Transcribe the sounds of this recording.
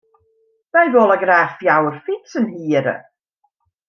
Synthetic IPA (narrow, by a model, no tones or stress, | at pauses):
majðoːlˠaɡɾaːfjawrfɪtənhiːəɾə̰